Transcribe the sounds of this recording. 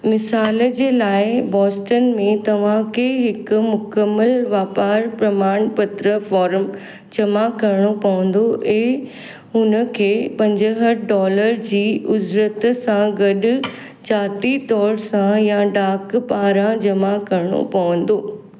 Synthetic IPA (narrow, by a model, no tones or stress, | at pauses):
mɪsaːlə̆d͡ʑeːlaːɪbɔːsʈənmẽt̪ɐʋ̤ãkʰeːɦɪkʊmʊkəmːəlʋaːpaːɾpɾɐmaːɳ̃pɐt̪ɾəfɔːɾm | d͡ʑɐmakɐɾɽ̃opɐʋə̃n̆d̪oʔẽː | ɦʊnə̆kʰeːpɐ̃ɲd͡ʑəɦəʈɖɔːləɾd͡ʑiːʊzɾət̪sãɡɐɗʊ̆ | d͡ʑaːt̪it̪ɔːɾsãjaɖaːkpaːɾãd͡ʑɐmakɐɾɽ̃o̰pɐʋə̃n̆d̪oː